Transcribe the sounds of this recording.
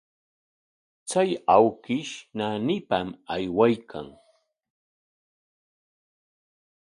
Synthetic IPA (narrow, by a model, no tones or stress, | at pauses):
t͡sajawkɪʃnanɪpamajwajkʰa̰ŋ